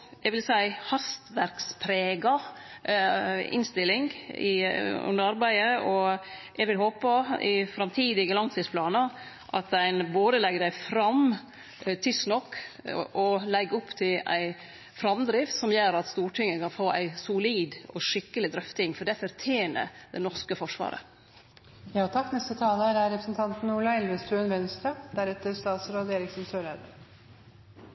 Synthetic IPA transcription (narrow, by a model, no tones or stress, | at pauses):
ɛɡʋɪlsæɪhɑst̪ʋæɾkspʰɾeːɡɑ | ɪ̰nst̪ɪlɪŋɪ̰ʉ̰nd̪əɾɑɾbæɪəʔɔ | ʔɛɡʋɪlɦoːpəɪ̰fɾɑmt̪ʰiːd̪ɪɡəlɑŋt̪ʰɪspʰlɑːnɑ | ʔɑt̪æɪnboːd̪əlɛɡəɖæɪfɾɑm | t̪ʰɪsnɔkːʔɔlɛɡːʊpːt̪ʰɪlæ̰ɪ | fɾɑmd̪ɾɪft̪sɔmjøːɾɑt̪st̪uːʈʰɪŋːəkɑnfoːʔæ̰ɪsʊliːd̪ɔʂɪkːəlɪd̪ɾœft̪ɪŋfɔɖɛfɔɾt̪ʰjeːnə̰ɾd̪ɛ̰nɔɾskəfɔʂʋɑ̰ːɾə̰ | jɑːt̪ʰɑkːnɛst̪ət̪ʰɑːləæɾæɾɾɛpɾəsn̩t̪ʰɑnt̪n̩uɭɑɛlʋəst̪ɾʉːənʋɛnst̪ɾɑd̪̥æɾɛt̪ːəɾst̪ɑːt̪sɾoːd̪eːɾɪksnsøːɾæd̪ə